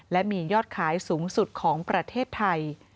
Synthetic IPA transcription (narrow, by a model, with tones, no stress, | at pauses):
lɛ˦˥miː˧jɔː˥˩t̪̚kʰaː˩˦jsuː˩˦ŋsu˨˩t̪̚kʰɔː˩˦ŋpɾa˧t̪ʰeː˥˩t̪ʰːa˧j